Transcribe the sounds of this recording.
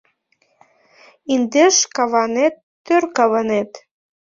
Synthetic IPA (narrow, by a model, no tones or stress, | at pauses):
ind̪eʃkɑβɑnet̪ːørkɑβənet̪